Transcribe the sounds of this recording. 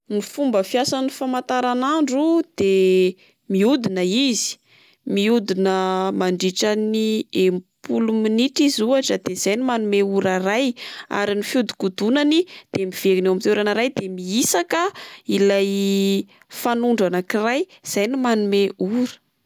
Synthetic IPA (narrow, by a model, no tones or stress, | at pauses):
nifumbəfiasanifamat̪aɾanaɳɖ͡ʐud̪̥e | miud̪inəizi̥ | miud̪inəmaɳɖ͡ʐiʈ͡ʂəniempuluminiʈ͡ʂizuaʈ͡ʂəd̪ez̥ajnimanumeuɾaraja̰ɾinifjud̪i̥kud̪unanid̪̥emiv̥eɾinewamit̪eɾanəɾajd̪emiisakəilaj | fanuɳɖ͡ʐanakiraj | z̥ajnimanumeuɾə̥